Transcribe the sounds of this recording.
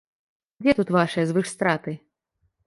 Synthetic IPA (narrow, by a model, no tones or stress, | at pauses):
d͡zʲɛt̪ut̪vaʂɨjɐzvɨʂst̪ɾat̪ɨ